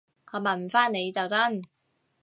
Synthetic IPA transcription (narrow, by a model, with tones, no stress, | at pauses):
ŋɔː˨˧˥mɐ˨˩nfaː˥nne˨˧jt͡sɐ˨wt͡sɐ˥n